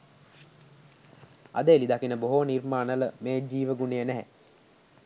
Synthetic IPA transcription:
a̰d̪əːlid̪akinəboɦonirmaːnələmeːd͡ʒiːʋəɡunejənæɦɛ̰

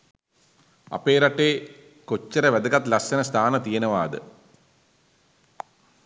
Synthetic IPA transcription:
ɐ̰peːɾɐʈːeː | kot͡ʃːɐɾɐʋɛd̪ɐɡɐt̪lɐsːɐnɐst̪ʰaːnɐt̪ijɐnɐʋaːd̪ə̰

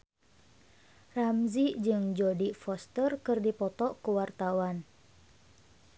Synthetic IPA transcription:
ramzid͡ʒɨŋd͡ʒodifɔst̪ərkɨrdipɔt̪ɔʔkəwart̪awan

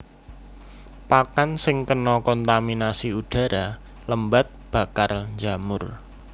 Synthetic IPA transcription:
pakansɪŋkənɔkɔnt̪aminasiuɖ̥ä̤ɾa | ləmbat̪̚b̥a̤karɲd͡ʒamʊr

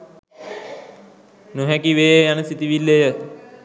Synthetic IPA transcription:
nuɦɛkiʋeːjanəsit̪iʋilːejə

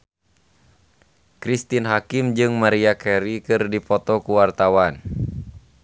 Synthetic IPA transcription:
kɾist̪inɦakimd͡ʒɨŋmaɾiakɛɾikɨrdipɔt̪ɔkuwart̪awan

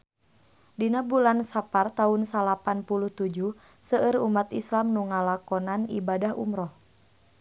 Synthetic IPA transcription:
dinabulansapart̪aunsalapanpuluht̪ud͡ʒuh | səʔərumat̪islamnuŋalakɔnanibadaɦṵmɾɔh

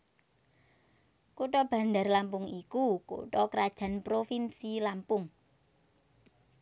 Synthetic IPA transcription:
kuʈɔb̥ä̤nd̪arlampʊŋikukṵʈɔkəɾad̥ʒ̥a̤npɾofinsilampʊŋ

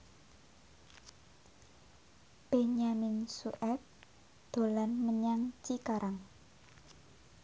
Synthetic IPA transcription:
b̥eɲaminsuʔɛp̚ | d̪̥o̤lanməɲaŋt͡ʃikaɾaŋ

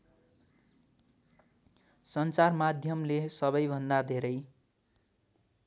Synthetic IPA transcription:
sʌnt͡sarmad̪ʱjʌmlesʌβʌjbʱʌnd̪ad̪ʱeɾʌj

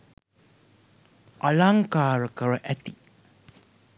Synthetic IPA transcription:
ʔɐlaŋkaːɾɐkɐɾɐʔæt̪i

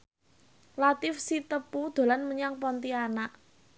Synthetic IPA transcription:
lat̪ɪfsit̪əpud̪̥o̤lanməɲaŋpɔnt̪ianaʔ

